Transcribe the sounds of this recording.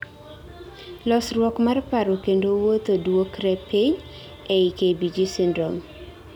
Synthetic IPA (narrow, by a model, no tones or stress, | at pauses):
lɔsrwɔkmarpaɾokendowot̪odwokɾɛpiɲ | eikebid͡ʒisɪndɾom